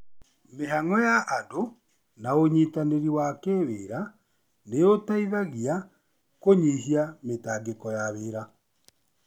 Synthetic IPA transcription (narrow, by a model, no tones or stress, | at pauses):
meɦaŋɔjaʔːdo | naoɲitaneɾiwakeweːɾa | nejotaiðaɣia | koɲiɦiametaːɡekɔjaβeːɾa